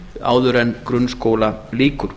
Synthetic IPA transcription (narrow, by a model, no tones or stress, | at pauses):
a̰ːwðʏɾɛnːkɾʏnskoːwlaliːkʏɾ̥